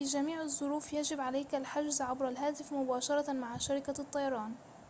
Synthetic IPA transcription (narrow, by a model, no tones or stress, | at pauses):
id͡ʒamiːʕɨzˤːʊɾuːfjad͡ʒɪbʕalajkalħaʒzʕabɾalɦaːt̪ɪfmʊbaːʃɑɾˤɑmaʕʃaɾɪkat̪ˤːɑjɑɾˤɑːn